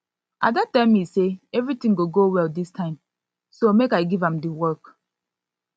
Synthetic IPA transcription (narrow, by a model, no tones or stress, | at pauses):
ʔa̰datãɪ̃miseɛvɹitĩŋɡoɡowɛldistʰãɪ̃m | somekaɪɡivãmdəwɜk